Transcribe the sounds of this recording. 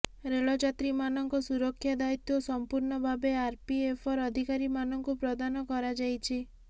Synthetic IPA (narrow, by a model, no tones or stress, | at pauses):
ɾeɭɔd͡ʒat̪ɾimanɔŋkɔsuɾɔkʰːjad̪ait̪ɔosɔmpuɾɳɔbʱabeaɾpiepʰɔɾɔd̪ʱikaɾimanɔŋkupɾɔd̪anɔkɔɾad͡ʒajt͡ʃʰi